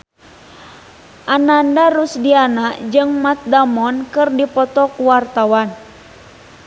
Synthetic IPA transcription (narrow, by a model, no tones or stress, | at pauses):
ʔanandaɾusdianaʔd͡ʒɨŋmat̪̚damɔnkɨrdipɔt̪ɔkuwart̪awan